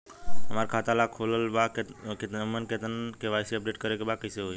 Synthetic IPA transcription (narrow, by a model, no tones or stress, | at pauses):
ɦəmaɾkʰaːt̪alakʰoləlbakket̪mənket̪ənkeʋaːjseəp̚ɖeːʈkəɾekebakəseɦoː